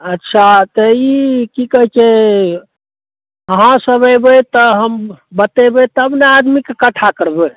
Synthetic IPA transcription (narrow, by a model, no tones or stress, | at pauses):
ətːʃʰat̪ɔikikəɦt͡ʃʰe | əɦãsəbəjbət̪ɔɦəmbət̪ebet̪əəbnead̪mikekəʈʰakəɾbe